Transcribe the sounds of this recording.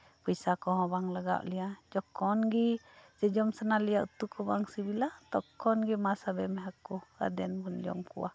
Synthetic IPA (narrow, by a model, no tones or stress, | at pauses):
pəisakɔɦɔ̃baŋlaɡa̰ʔliad͡ʒɔkɔnɡid͡ʒəd͡ʒɔmsanaliaut̪ukʰɔbaŋsibilat̪ɔkɔnɡimasabɛmɛɦakua̰dɛnpund͡ʒɔ̰mkṵa̰h